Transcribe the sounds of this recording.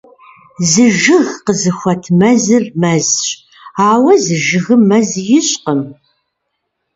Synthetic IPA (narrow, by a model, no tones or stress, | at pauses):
zɨʒɨɣqəzɨxʷɐtʰmɐzɨrmɐzɕ | aːwɐzɨʒɨɣɨmːɐzjɪɕqəm